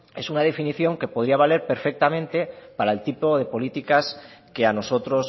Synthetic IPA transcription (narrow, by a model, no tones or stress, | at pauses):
e̞sunað̞e̞finiθjo̞ŋke̞po̞ð̞ɾiaβ̞ale̞ɾpe̞ɾfek̚t̪amẽnt̪epaɾaelt̪ipoð̞e̞po̞lit̪ikaskeano̞so̞t̪ɾos